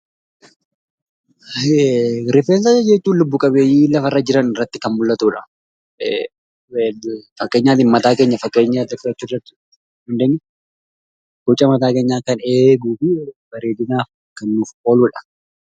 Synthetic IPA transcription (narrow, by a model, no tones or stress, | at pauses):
ɾɪfeːns̬ɐɐd͡ʒɛt͡ʃːuːnlʊbːʊkʼɐbeːjiːlɐfɐrːɐd͡ʒɪɾɐnɪrːɐt̪ːɪkɐnmʊlːɐt̪uːᶑɐ | fɐkːe̞ːɲːaːt̪ɪnmɐt̪aːke̞ːɲːɐfɐkːe̞ːɲːat̪ɐtːɪɐt͡ʃːurːɐt̪ːɪ̥ | hɐnd̪eːɲːɛ | kɔt͡ʃʼːɐmɐt̪aːke̞ːɲːaːkɐneːɡuːfɪb̥ɐɾeːd̪ɪnaːf | kɐnːʊfo̞ːluːᶑɐ̥